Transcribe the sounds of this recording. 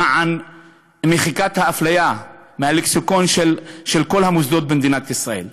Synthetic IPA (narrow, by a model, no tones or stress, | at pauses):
ʕan | meχikat̪haːflajamehaleksukonʃelʃelkolhamusd̪ot̪̚bemd̪inat̪isʁaḛl